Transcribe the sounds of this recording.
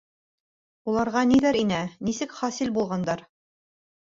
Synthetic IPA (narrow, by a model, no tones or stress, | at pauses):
ulˠɑɾʁɑnilæɾinænisɘkχɑsilbulˠʁɑnd̪ɑɾ